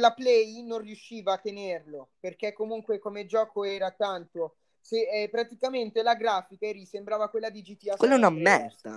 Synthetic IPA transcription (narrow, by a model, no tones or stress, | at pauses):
laplɛjnonrjuʃːiːvaːt̪ːenerloperkekːomuŋkwekomed͡ʒɔːkoɛːɾat̪ant̪o | sepːɾat̪ikament̪elaɡɾaːfikaerisembɾaːvakwelːad̪id͡ʒit̪iawelːanamːɛrt̪a̰